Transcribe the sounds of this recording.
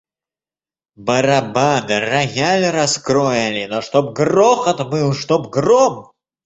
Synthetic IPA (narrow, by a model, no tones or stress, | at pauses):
bɐɾɐbad̪ɨraɣʲalʲɾɐskɾɔjalʲɪnɔʂt̪ɔb̚ɡrɔxɐt̪mɨlˠʂt̪ɔbɡrɔm